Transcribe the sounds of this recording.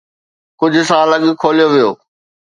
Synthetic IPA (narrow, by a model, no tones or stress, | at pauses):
kʊd͡ʑʱʊ̆sãɐləɠkʰoːlijoʋijoː